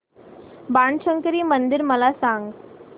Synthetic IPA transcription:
baɳɕəŋkəɾiːmənd̪iɾməlasãŋɡ

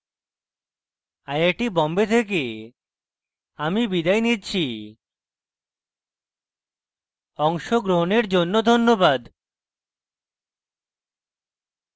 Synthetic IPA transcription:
ajaʈibɔmbet̪ʰek̬e | amibid̪ajnitːt͡ɕʰi | ɔŋʃoɡɾoɦoneɾd͡ʑonːod̪ʱonːobad̪

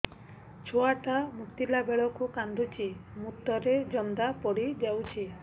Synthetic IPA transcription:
t͡ʃʰoaʈamukt̪ilabeɭɔkukand̪ut͡ʃʰimut̪ːɔɾed͡ʒɔmd̪apɔɽid͡ʒawt͡ʃʰi

